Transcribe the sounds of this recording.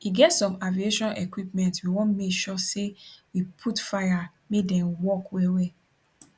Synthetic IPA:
iɡɛtsɔ̃mavieʃɔ̃nʔɛ̰kwipmɛ̃ntwiwɔ̃nmekʃɔsewipʰutfaja | medɛ̃nwɔkwɛwɛ

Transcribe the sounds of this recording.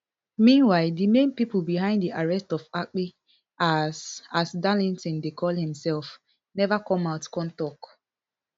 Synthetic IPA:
mĩnwaɪldimẽnpipəlˠbiɦãɪ̃nddiʔaɹɛstɔfak͡pi | asasdalĩntɔ̃ndekʰɔlˠhɪ̃msɛlˠf | nɛvakɔ̃maʊtkɔ̃ntɔk

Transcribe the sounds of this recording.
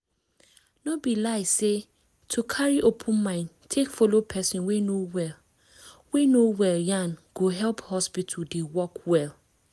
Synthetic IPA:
nobilaɪse | tʰukʰaɹiʔopʰʊ̃nmãɪ̃n | tʰekfolopʰɛsĩnwenowɛl | wenowɛljãnɡ̥oɦɛlphɔspitʰdewɔkwɛl

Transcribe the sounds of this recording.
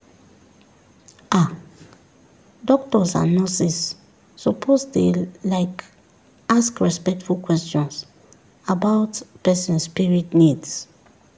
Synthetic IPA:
a | dɔk̚tɔsã̰nɔsisː | opʰosdelaɪk | askɹɛspɛk̚tfulkwɛstjɔ̃ns | abaʊtpɛsɛ̃nspiɹitnids

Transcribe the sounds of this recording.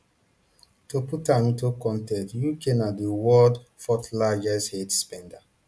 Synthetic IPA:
toputãnĩntokɔ̃ntɛ̃ntjukenadiwɔdfɔtlad͡ʒɛshetspɛ̃nda

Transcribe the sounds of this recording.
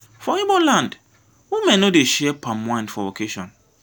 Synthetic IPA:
fɔibɔlãnd | wimɛ̃nodeʃɛpʰãmmãɪ̃ndfɔvokʰeʃɔ̃n

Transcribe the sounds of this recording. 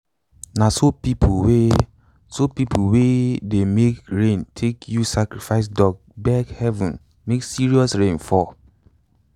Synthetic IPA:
nasopipʰwe | sopipʰowedemekɹẽntʰekʰjusakɹifaɪs̬dɔɡ̚bɛkhɛvũn | meksiɹiɔsɹẽnfɔ

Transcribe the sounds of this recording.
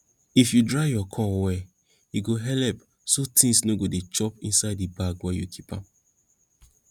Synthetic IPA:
ifjudɹaɪjɔkʰɔ̃wɛ | jiɡoɦɛlɛp | sotʰĩŋsnoɡodet͡ʃɔpḭ̃nsaɪdibaɡwɛjukʰipã̰m

